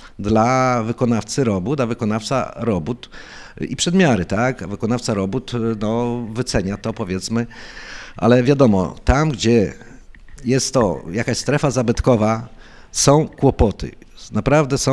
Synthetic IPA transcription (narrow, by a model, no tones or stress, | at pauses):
d̪lavɘkɔnaft̪sɘɾɔbut̪avɘkɔnaft̪sa̰ɾɔbut̪ipʂɛd̪mʲjaɾɘt̪akavɘkɔnaft̪saɾɔbut̪nɔvɘt̪sɛɲat̪ɔpɔvʲjɛt̪smɘ | ʔa̰lɛvʲjad̪ɔmɔ̰t̪amɡd͡ʑɛ | jɛst̪ːɔjakaɕst̪ɾɛfazabɘt̪kɔva | sɔ̃w̃kwɔpɔt̪ɘ̰ | napɾavd̪ɛsɔ̃